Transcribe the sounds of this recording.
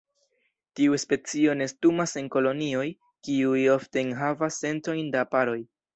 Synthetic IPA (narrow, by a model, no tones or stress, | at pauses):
tiuspe̞t͡sio̞ne̞stumase̞nko̞lo̞nio̞j | kiujo̞fte̞nɦavasːe̞nto̞jndapaɾo̞j